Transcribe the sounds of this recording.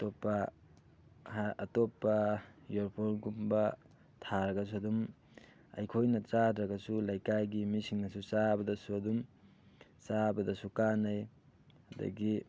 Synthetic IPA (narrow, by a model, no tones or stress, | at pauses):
topːɐ | haɐtopːɐjoɾpʰoɾɡumbɐ | tʰaɾɐɡɐs̬uɐdum | ɐ̰jkʰojnɐt͡ʃadɾɐɡɐsulajkajɡimisiŋnɐsut͡ʃabɐdɐsuɐdum | sabɐdɐsukanaj | hɐdɐ̰ɡi